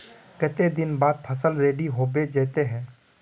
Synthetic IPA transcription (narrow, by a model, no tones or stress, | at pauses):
kɛt̪ed̪ɪnbaːd̪̚pʰəsəlɾeːɖiɦoːbed͡ʒɛːt̪eɦɛ̃ː